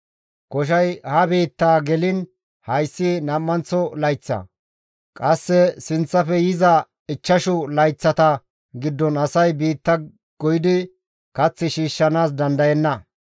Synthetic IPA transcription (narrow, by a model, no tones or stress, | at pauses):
kɔʃ̬ɐjhɐbiːt̪ːaːɡɛlɪn | hɐjsːɪnɐmːɐnt͡sɔlɐjt͡sːɐ̰ | kʼɐsːɛsɪnt͡sːɐfɛjɪzɐ | ɪt͡ʃːɐʃʊlɐjt͡sːɐt̪ɐ | ɡɪd̪ːɔnɐsɐjbiːt̪ːɐ | ɡ̥ɔjɪd̪ɪ | kɐt͡sːɪʃiːʃːɐnaːs̬d̪ɐnd̪ɐjɛnːɐ